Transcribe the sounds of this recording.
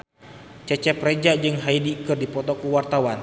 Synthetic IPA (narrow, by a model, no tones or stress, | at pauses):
t͡ʃɛt͡ʃɛpɾed͡ʒad͡ʒɨŋɦaidikərdipɔt̪ɔkuwart̪awan